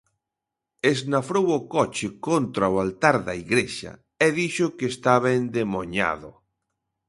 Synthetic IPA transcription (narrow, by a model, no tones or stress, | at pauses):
eznafɾowokɔt͡ʃekont̪ɾaoalt̪aɾðaiɣɾeʃa̰ | eðiʃokest̪aβend̪emoɲa̰ðo